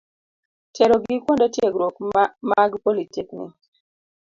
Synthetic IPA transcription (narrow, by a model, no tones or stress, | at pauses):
tʰɛɾoɡikwondatjeɡɾokmaɡpolitiknɪ̰